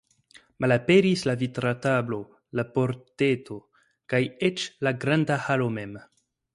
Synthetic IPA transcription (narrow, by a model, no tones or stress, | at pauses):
mʔalape̞ɾislavitɾatablo̞ | lapo̞ɾtetʰo̞ | kajet͡ʃlaɡɾandahalo̞mem